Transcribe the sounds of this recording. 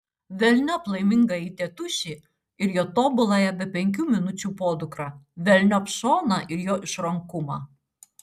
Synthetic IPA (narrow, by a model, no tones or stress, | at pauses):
ʋʲɛlʲnʲɔplˠɐɪmʲɪŋɡɐiːt̪ʲɛt̪ʊʃʲiː | ɪɾjoːt̪oːbʊlˠɐjɛbʲɛpʲɛŋʲk̬ʲuːmʲɪnʊt͡ʃʲuːpoːd̪ʊkɾɑʋʲɛlʲnʲopʃoːnɐʔɪɾjoːʔɪʃɾɐŋkʊmɑ̰ː